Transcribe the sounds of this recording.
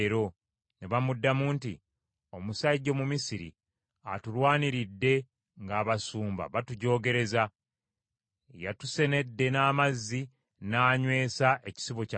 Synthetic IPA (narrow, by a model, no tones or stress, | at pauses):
ɾo̞ | neβamudːamuntḭ | o̞musaiɟːo̞mumisiɾḭ | a̰tulwaːniɾidːe̞ | ŋɡaːβasuːmba̰βatuɟo̞ːɡe̞ɾe̞za | jatuse̞ne̞dːe̞naːmazːi | naːɲwe̞ːsaʔe̞ci̥siβo̞ca